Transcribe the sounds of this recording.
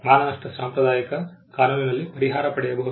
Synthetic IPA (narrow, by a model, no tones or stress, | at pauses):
maːnɐnɐʂʈɐsaːmpɾɐd̪aːjɐkɐkaːnuːninɐlːipɐɾiɦaːɾɐpɐɽɛjɐbɐɦu